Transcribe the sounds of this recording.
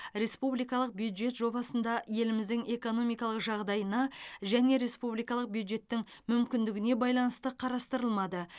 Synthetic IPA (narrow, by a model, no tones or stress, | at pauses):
ɾe̞spublijkɑlˠəq̚bjud̪ʒe̞t̪ʒo̞bɑsənd̪ɑje̞lɪmɪzd̪ɪŋe̞ko̞no̞mijkɑlˠəqʒɑʁd̪ɑjənɑʒæne̞ɾe̞spublijkɑlˠəq̚bjud̪ʒe̞t̪ːɪŋmʏmkʲɪnd̪ɪɡʲɪne̞bɑjlˠɑnəst̪əqʰɑɾɑst̪əɾəlˠmɑd̪ə